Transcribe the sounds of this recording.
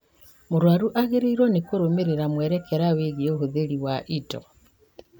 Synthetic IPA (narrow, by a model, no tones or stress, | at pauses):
moɾwaɾuʔaɣeɾeiɾwɔnekoɾomeɾeɾamwɛɾɛkɛɾaweɣioɦoðeɾiwaʔitɔ̰